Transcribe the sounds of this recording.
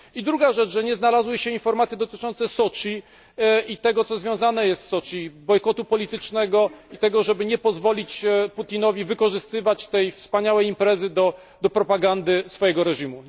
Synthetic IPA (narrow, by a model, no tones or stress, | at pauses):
id̪ɾuɡaʐɛt͡ʂʐɛɲɛznalazwɘɕɛinfɔɾmat̪sʲjɛd̪ɔt̪ɘ̥t͡ʂɔnt̪sɛsɔt͡ʂi | it̪ɛɡɔt̪sɔzvʲjɔ̃w̃zanɛjɛst̪sɔt͡ʂibɔjkɔt̪upɔlʲit̪ɘt͡ʂnɛɡɔit̪ɛɡɔʐɛbɘɲɛpɔzvɔlʲit͡ɕput̪ʲinɔvʲivɘkɔʐɘst̪ɘvat͡ɕt̪ɛjfspaɲawɛjimpɾɛzɘd̪ɔ | d̪ɔpɾɔpaɡand̪ɘsfɔjɛɡɔɾɛʐimu